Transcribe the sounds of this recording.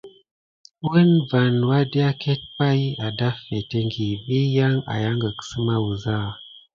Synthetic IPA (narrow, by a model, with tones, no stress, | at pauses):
wə˦nva˨nwa˦di˦a˦ke˦t̚pa˦ja˨da˦fe˨te˦ŋɡi˨vi˦ja˦ŋa̰˨ja˦ŋɡə˨ksɨ˦ma˦wu˨za˦˨